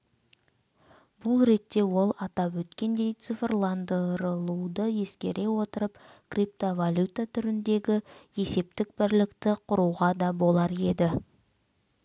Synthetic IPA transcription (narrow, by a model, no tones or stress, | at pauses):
bʊlˠɾe̞t̪ːe̞wo̞lˠɑt̪ɑpwɵt̪kʲe̞nd̪e̞jt̪sɨfrlˠɑnd̪əɾəlˠuwd̪əje̞skʲe̞̰ɾe̞wo̞t̪əɾəpkrip̚t̪ovalʲjut̪at̪ʰʏɾɪnd̪e̞ɡʲɪe̞se̞p̚t̪ɪk̚bɪɾlɪkt̪ɪqʰʊɾuʁɑd̪ɑbo̞lˠɑɾe̞d̪ɪ